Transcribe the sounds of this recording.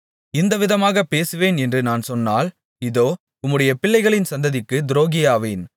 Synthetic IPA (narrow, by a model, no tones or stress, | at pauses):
ɪnd̪ɐʋɪðɐmaːɣɐpːeːsɯʋeːnɛndrɯnaːnsɔnːa̰ːl | ɪðoː | ʊmːɯɽɐjɐpɪɭːɐɪɣɐɭɪnsɐnd̪ɐðɪkːɯd̪ɪɾoːɣɪjaːʋḛːn